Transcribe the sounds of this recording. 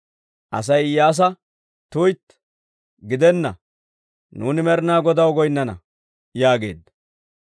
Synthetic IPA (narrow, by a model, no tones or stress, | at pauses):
ʔɐ̰s̬ɐjjaːs̬ɐ | t̪ujt̪ | ɡɪd̪ɛnːɐ̰ | nuːnɪmɛɾɪnaːɡɔd̪ɐwɡɔjnːɐnɐ̰ | jaːɡe̞ːd̪ɐ